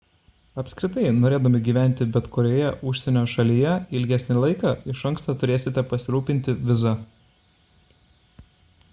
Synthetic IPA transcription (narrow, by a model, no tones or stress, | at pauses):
ɐpʲsʲkʲɾʲɪt̪ɐɪnoːɾʲeːd̪ɐmʲɪɡʲiːʋʲæˑnʲˑt̪ʲɪbʲɛt̪kʊɾʲoːjɛʔʊʃʲsʲɛnʲoːʃɐlʲijɛɪlʲɡʲæsʲnʲɪlˠɐɪkɑːɪʃɐŋˑkst̪ɐːt̪ʊɾʲeːsʲɪt̪ʲɛpɐsʲɪɾuːpʲɪnʲt̪ʲɪʋʲɪzɐ